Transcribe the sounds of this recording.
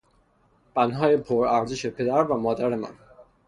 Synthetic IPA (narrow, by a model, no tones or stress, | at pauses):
b̥ænd̪ɦɒːjepʰoɾæɾziʃe̞pʰe̞d̪æɾvæmɒːd̪æɾemæ̰n